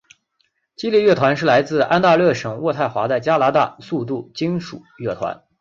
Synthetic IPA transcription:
t͡ɕi˥li˥˧ɥɛ˥˩t̪ʰwa˧˥nʂɻ̩˥˩la˧˥ɪt͡sɹ̩˥˧a̰˥nt̪a˥˧lɤ˥˩ʂɤ˨˩ŋwɔ˥˧t̪ʰa˥˩ɪxwa˧˥t͡sa˥˩ɪt͡ɕja˥la˧˥t̪a̰˥˧su˥˧t̪̬u˥˩t͡ɕi˥ŋʂu˨˩˦ɥɛ˥˩t̪ʰwa̰˧˥n

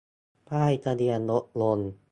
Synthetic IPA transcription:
paː˥˩jt̪a˧di˧ənlo˦˥t̪̚lo˧n

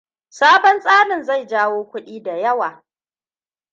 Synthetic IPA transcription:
saː˦bɔ˦nsʼaː˦nɪ˨nza˦˨jd͡ʒaː˦woː˦kʷʊ˦ɗiː˦da˨jɐ˦waː˨

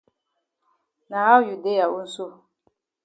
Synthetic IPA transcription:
na˨a˦wju˨de˦ja˨u˦n̩˦so˦

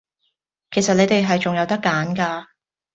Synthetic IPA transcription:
kʰe˨˩jsɐ˨t̚le˨˧jt̪e˨jɦɐ˨jt͡ʃʊ˨ŋjɐ˨˧wt̪ɐ˥kːaː˨˥nkaː˧

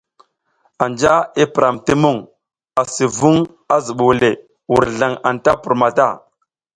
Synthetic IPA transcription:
a˨nd͡ʒa˦i˦pɾa˨mti˦mu˦˨ŋ | a˨si˨vu˦ŋ | a˦zu˨ɓu˨wle˨ | wu˨ɾɮa˨ŋa˨nta˦pu˨ɾma˨ta˦˨

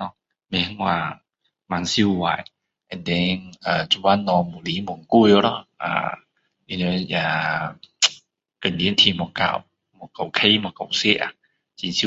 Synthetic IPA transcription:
nɔ˧ | mɛ˧˦ŋwa˧˩ | ma˧˨nsi˦˨wa̰˨˩˨j | ʔɛ̃˨ndɛ˧nə˨d͡ʒu˧wa˧˦nːɔ˧mu˨˩li˨˦mɔ˨ŋku˧˨jo˧˦lɔ˧˦a̰˨˩ | i˧no˧ja˧ | kə˨˩ndi˧˦nt̪ʰi˧mɔ˨˩ka̰˧˨˩w | mɔ˨˩ka˨˩wkʰe˧˦mɔ˨ka˨˩˨wsɛ˦ʔa̰˨ | t͡ɕi˧si˧˦

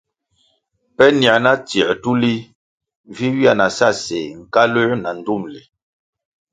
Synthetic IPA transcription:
pɛ˦ni˨a˨na˦tjɛ˨tu˦li˦ | vi˦wi˦a˦˨na˨sa˦˨se˨ŋ̩˨ka˦lə˦na˨n̩˨du˦˨mlɛ˨

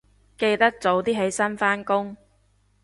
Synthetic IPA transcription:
ke˧jt̪ɐ˥k̚t͡so˨˥wt̪iː˥ɦe˨˥jsɐ˥nfaː˥nkʊ˥ŋ

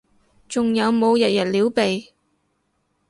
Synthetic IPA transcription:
t͡sʊ˨ŋjɐ˨˧wmo˨˧wjɐ˨t̚jɐ˨˩t̚liː˨˥wpe˨j

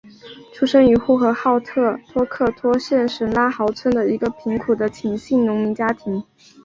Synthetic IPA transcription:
ʈ͡ʂʰu˥ʂɤ˥ŋy˧˥xu˥˩xɤ˧˥xɑ˥˧ʊt̪ʰɤ˥˩t̪ʰwɔ˥kʰɤ˥˩t̪ʰwɔ˥ɕjɛ˥˩nʂə˧˥nla˥xɑ˧˥ʊt͡sʰwə˥nd̪ə˨i˧˥ɡə˧pʰi˧˥ŋkʰu˨˩d̪ə˦t͡ɕʰi˨˩ŋɕi˥˩nnʊ˧˥ŋmi˧˥t͡ɕja˥t̪ʰi˧˥ŋ

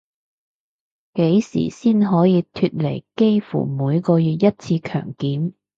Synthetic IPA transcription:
ke˨˥jsḭ˨˩siː˥nɦɔː˨˥jiː˨˧t̪ʰy˧t̚le˨˩jke˥jfṵ˨˩muː˨˧jkɔː˧jyː˨t̚jɐ˥t̚t͡sʰiː˧kʰœ̰ː˨˩ŋkiː˨˥m

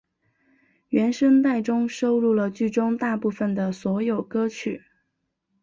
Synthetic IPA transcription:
ɥɛ˧˥nʂə˥ŋt̪a˥˩ɪʈ͡ʂʊ˥ŋʂo˥ʊɻu˥˩lə˩t͡ɕy˥˩ʈ͡ʂʊ˥ŋt̪a˥˧pu˥˩fə˨˩nd̪ə˩swɔ˧˥jo˨˩ʊkɤ˥t͡ɕʰy˨˩˦

